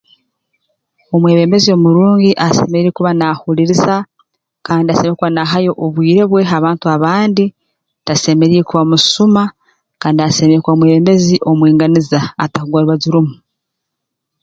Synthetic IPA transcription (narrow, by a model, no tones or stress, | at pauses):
o̞mweːβe̞ːmbe̞zio̞muɾuːŋɟiʔasḛme̞ɾiɾekuβanahuliɾisa | kaːndiasemeekuβanaɦajo̞ʔoβwiːɾe̞βwe̞ɦaβaːntuaβaːndi | tase̞me̞ɾiɾekuβamusuma | kaːndiase̞meɾekwamweːβe̞ːmbe̞ziʔo̞mwiːŋɡanizaːtakuɡwaɾuβaɟiɾumu